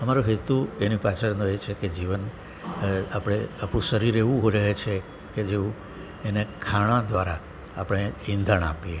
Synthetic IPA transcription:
əmaɾũɦet̪uenipat͡ʃʰəɾnũet͡ʃʰeked͡ʒiʋən | apɽ̃eapũʃəɾiɾeʋũɦoiɾəɦet͡ʃʰe | ked͡ʒeʋũ | enekʰaɽ̃ãd̪ʋaɾaː | pɽ̃eĩnd̪ʱaɳ̃a̰pie

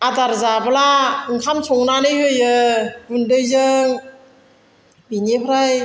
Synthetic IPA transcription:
adaɾzabalaɯŋkʰamsʰɔŋnanɯjhɯjɯbundɯjzɯŋ | binepʰɾaj

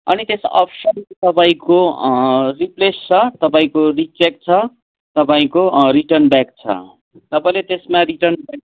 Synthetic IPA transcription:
ʌ̰nit̪esʌ̰pʰsʌnt̪ʌpaĩko | riplest͡sʰʌt̪ʌpaĩkorit͡sek̚t͡sʰʌ | t̪ʌpaĩkoriʈʌrnbak̚t͡sʰʌ̰ | t̪ʌpaĩlet̪esmaɾiʈʌrnbak

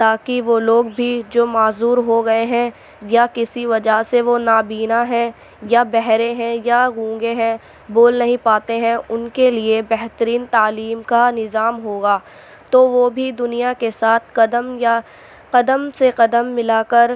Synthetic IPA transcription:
t̪aːkiʋoloːɡbʱid͡ʒoːmaːzuːɾɦoɡɐeɦɛ̃ | jakɪsiʋɐd͡ʒaseʋonaːbiːnaɦɛ̃ | jabɛɦɾẽɦɛ̃jaɡũːɡeɦɛ̃ | boːlnɐɦĩpaːt̪eɦɛ̃ʊnkeliebɛɦt̪əɾiːnt̪aːliːmkanɪzaːmɦoːɡaː | t̪oʋobʱid̪ʊnijakesaːt̪̚ʰqɐd̪əmja | qɐd̪əmseqɐd̪əmːɪlakɐɾ

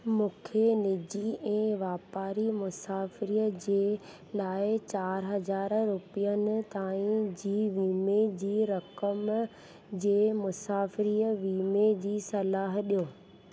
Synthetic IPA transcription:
mũːkʰenɪd͡ʑiɛ̃ːʋaːpaːɾimʊsaːfɪɾiːəd͡ʑeː | laːɪt͡ɕaːɾɦɐzaːɾɾʊpijənɪ̆t̪aːĩd͡ʑiːʋiːmed͡ʑiːɾɐkəm | d͡ʑeːmʊsaːfɪɾiːəʋiːmed͡ʑiːsɐlaːɦɗijoː

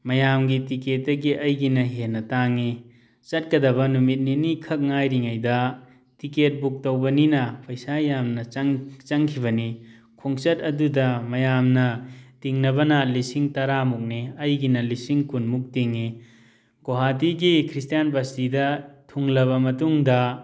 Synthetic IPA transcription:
mɐjamɡitiket̚ːɐɡiʔɐjɡinɐɦenːɐtaŋi | t͡ʃɐt̚kɐdɐβɐnumit̚ninikʰɐk̚ŋajɾiŋajdɐ | tiket̚buk̚tɐwbɐninɐpʰɐjsajamnɐt͡ʃŋt͡ʃɐŋkʰiβɐni | kʰoŋt͡ʃɐtɐdudɐmɐjamnɐtiŋnɐbɐnɐlisiŋtɐɾamuk̚niɐjɡinɐlisiŋkunmuk̚tiŋːi | ɡoɦatiɡikʰɾistijanbastidɐtʰuŋlɐβɐmɐtuŋdɐ

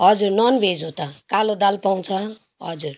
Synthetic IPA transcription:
ɦʌd͡zuɾnɔnbʱed͡zɦot̪akalod̪alpaw̃t͡sʰʌ | ɦʌd͡zuɾ

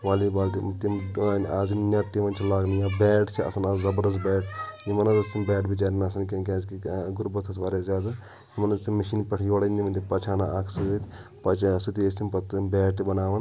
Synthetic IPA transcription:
ʋaːlibaːlt̪it̪imaːzinnʲat̪iʋɐnt͡ʃʰilaːɡnijaːbɛːʈt͡ʃʰiɐ̰sɐnaːzzɐbɐɾd̪ɐs̬bɛːʈjimɐnɐzɐsimbɛːʈʰbit͡ʃaːɾinɐsɐnkʲkʲãːzkiɡuɾbɐt̪ʰɐsʋaːɾezjaːd̪a | jimɐnɐsimɐʃiːnpɐʈʰjoːɽɐniʋɐnt̪ʰipɐt͡ʃʰaːnaʔɐkʰsɨɐt̪ʰʲpɐt͡ʃʰsit̪iest̪ʰimpɐt̪ːbɛːʈibɐnaːʋɐn

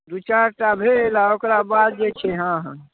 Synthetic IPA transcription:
d̪ut͡ʃaɾʈabʱelaokɾabad̪̚d͡ʒet͡ʃʰeɦãɦ

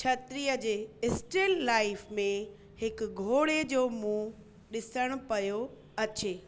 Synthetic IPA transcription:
t͡ɕʰɐt̪ɾiːəd͡ʑeːɪsʈɪlːaːɪfmẽ | hɪkɡʱoːɽed͡ʑoːmũː | ɗɪsəɽ̃ʊ̆pɐjo | ɐt͡ɕeː

